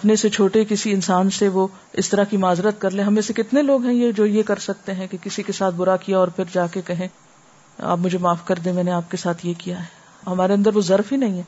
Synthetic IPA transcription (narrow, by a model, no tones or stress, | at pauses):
ɐpneset͡ʃʰoːʈekɪsiɪnsaːnseʋo | ɪst̪ɐɾakimaːzɾət̪̚kɐɾlẽːɦɐmːẽsekɪt̪neloːɡɦɛ̃jed͡ʒoːjekɐɾsɐk̚t̪eɦɛ̃kekɪsikesaːt̪̚ʰbʊɾakijaɔːɾpʰɪɾd͡ʒaːkekɐɦẽ | a̰ːp̬mʊd͡ʒʱemaːfkɐɾd̪ẽmɛːneaːp̚kesaːt̪ʰjekijaɦɛ | ɦɐmaːɾeɐ̃nd̪əɾʋozɐɾfɦinɐɦĩɦɛ̃ː